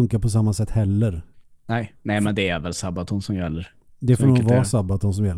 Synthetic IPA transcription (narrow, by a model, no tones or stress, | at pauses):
ɵŋkapʰɔs̬amːasɛt̪ːhɛlːəɾ | nɛnɛmɛnd̪ɛæɾvɛlsabat̪ʰʊnsɔmjɛlːəɾ | d̪ɛfɔːɾɔvɑːsabːat̪ʊns̬ɔmjɛlː